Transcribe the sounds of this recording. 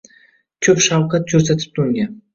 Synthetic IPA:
kʲʰɵpʃɑwqɑt̪̚kʰɵɾset̪ʰɪ̥p̚t̪ʰʊŋɡʲan

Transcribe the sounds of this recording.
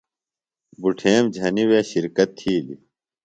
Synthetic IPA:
buʈʰeːmd͡ʑʱɐniweːɕiɾkɐt̪ʰːiːlḭ

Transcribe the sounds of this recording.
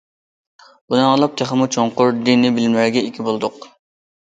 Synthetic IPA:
b̥unɨŋɑlˠɑp̚t̪ʰeχəmut͡ʃʰoŋqʊɾd̪inːɪbɪlmɪɾɡʲɛikʲʰibolˠd̪ʊq

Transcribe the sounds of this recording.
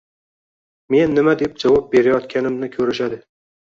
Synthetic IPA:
me̞nːɪmad̪e̞p̚d͡ʒavɒp̚be̞ɾajɒt̪kʲʰanɪmnɪkʲʰɵɾɪʃad̪ɪ

